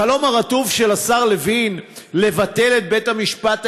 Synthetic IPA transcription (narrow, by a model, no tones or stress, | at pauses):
alo̞maʁat̪uvʃe̞lasaʁlevin | le̞vat̪e̞le̞t̪̚be̞t̪hamiʃpat̪